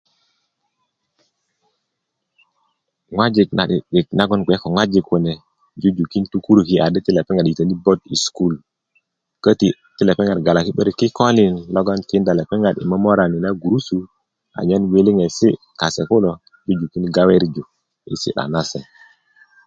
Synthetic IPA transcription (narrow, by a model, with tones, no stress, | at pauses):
ŋwa˦d͡ʒi˨kna˨ɗi˨ɗi˨k̚na˦ɡɔ˦nɡʷe˨˦kɔ˨ŋwa˦d͡ʒi˨kːu˨nɛ˨ | d͡ʒu˦d͡ʒu˨ki˦ntu˦ku˦ɾu˨ki˨a˨də˦ti˦le˨pɛ˦ŋɡa˨ɗi˨tə˨ni˦bɔ˦ti˨sku˦˨l | kə˦ti˨ | ti˦le˨pɛ˦ŋa˨ɾɡa˨la˨ki˦ɓə˦ɾi˨ki˦kɔ˦li˨nlɔ˦ɡɔ˦nti˨˦nda˨le˨pɛ˦ŋɡa˨ɗḭ˨mə˦mo˦ɾa˨ni˨na˦ɡu˨ɾu˦su˨ | a̰˨ɲa˦nwe˦li˦ŋe˨si˦ | ka˨se˨ku˦lɔ˨ | d͡ʒu˦d͡ʒu˨ki˦nɡa˦we˦ɾd͡ʒu˨ | ḭ˨sḭ˦ɗa̰˨na˦se˨